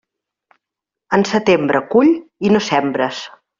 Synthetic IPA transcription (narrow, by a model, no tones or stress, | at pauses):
ənsət̪embɾəkuʎinosɛmbɾəs